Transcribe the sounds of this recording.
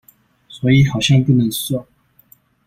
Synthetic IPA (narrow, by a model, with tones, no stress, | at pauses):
swɔ˧˥i˨˥xɑ˨˩ʊɕjɑ˥˧ŋpu˥˩nə˧˥˦ŋswɑ˥˩